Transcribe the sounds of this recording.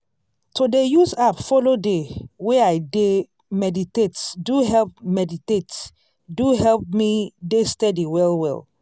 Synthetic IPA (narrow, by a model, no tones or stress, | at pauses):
tʰodejusapfolodeweajde | mɛditetduɦɛlp̚mɛditet | duɦɛlp̚midestɛdiwɛlwɛ̰l